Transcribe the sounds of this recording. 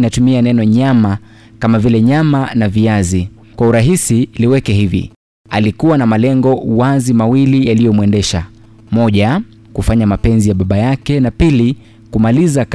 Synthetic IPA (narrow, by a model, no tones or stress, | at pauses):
natumianɛnɔɲama | kamavilɛɲamanaviazi | kwauɾaɦisiliwɛkɛɦivḭ | alikuwanamalɛŋɡɔuwazimawilijalijɔmwɛndɛʃa | mɔʄa | kufaɲamapɛnzijaɓaɓajakɛnapili | kumalizak